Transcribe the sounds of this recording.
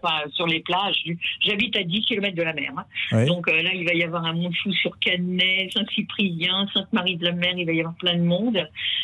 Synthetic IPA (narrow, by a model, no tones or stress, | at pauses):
fasyʁleplaʒyʒabit̪ad̪ikʲilɔmɛt̪̚d̪əlamɛ̰ːʁɛ̃d̪ɔ̃kølailvajavwaʁɛ̃mɔ̃d̪fusyʁkanɛsɛ̃sipχijɛ̃sɛ̃t̪maʁid̪əlamɛʁilvajavwaʁplɛ̃d̪əmɔ̃d̪